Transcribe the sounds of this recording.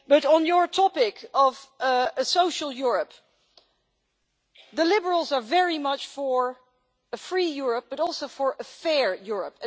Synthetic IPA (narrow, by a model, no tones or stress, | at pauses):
b̥ʌɾn̩jə˞tʰɑpɪkʰʌvəsoʊʃəl̩ˠjʊɹəp | ðəlɪbəɹəl̩ˠzə˞vɛɹimʌt͡ʃfəɹ | əfɹijʊɹəp̚b̥ʌɾɔlˠsoʊfə˞ʔəfɛɹjʊɹə̰p